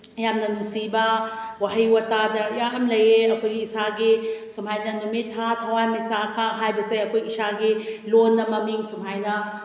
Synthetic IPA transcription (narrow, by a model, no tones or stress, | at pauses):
ɐjamnɐmusiba | waɦijwɐtadɐjaɐmlɐjeɐkojɡiːsaɡisumɦajnɐnumitʰːatʰɐwamisakʰaɦajbɐseɐkojɡiisaɡilonːɐmɐmiŋsumɦajnɐ